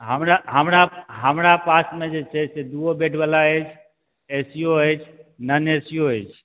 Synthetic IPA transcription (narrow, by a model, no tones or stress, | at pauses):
ɦəmɾaɦəmɾaɦəmɾapasmed͡ʒet͡ʃʰɛsed̪uobeʈʰbalaəjt͡ʃʰ | esijoəjt͡ʃʰnənesijoəɪt͡ʃʰ